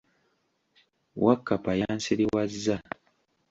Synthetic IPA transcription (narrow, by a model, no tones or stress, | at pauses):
wakːapajansiɾiwazːa